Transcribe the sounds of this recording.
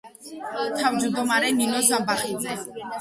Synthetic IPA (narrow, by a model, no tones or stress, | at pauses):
t̪ʰawd͡ʒud̪ɔmaɾɛninɔsabaχid͡zɛ